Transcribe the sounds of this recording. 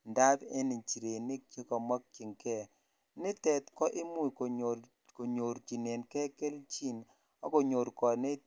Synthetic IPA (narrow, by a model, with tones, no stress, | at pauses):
nda˦de˦ni˨t͡ʃi˨ɾe˨nɪ˦t͡ʃe˦kɔ˨ma˦k̚t͡ʃi˨ŋkɛ˦ | nɪ˦tɛ˨t̪kɔ˦ʔɪ˦mu˦˨k | ko˨ɲo˨ɾt͡ʃi˨ne˨nkɛ˦ke˦lt͡ʃi˦n | ɔ˦ko˨ɲo˨ɾkɔ˨ne˦